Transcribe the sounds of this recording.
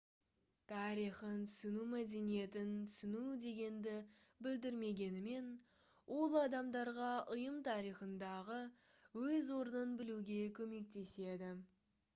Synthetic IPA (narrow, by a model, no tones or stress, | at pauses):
t̪ʰɑɾijχənt̪ʏsɪnumæd̪e̞nije̞t̪ɪnt̪ʰʏ̥sɪnud̪e̞ɡʲe̞nd̪ɪbɪld̪ɪɾme̞ɡʲe̞nɪme̞n | wʔo̞lˠɑd̪ɑmd̪ɑɾʁɑʔəjəmt̪ʰɑɾijχənd̪ɑʁə | wɵzwo̞ɾənənbɪluɡʲe̞kʲʰɵme̞k̚t̪e̞se̞d̪ɪ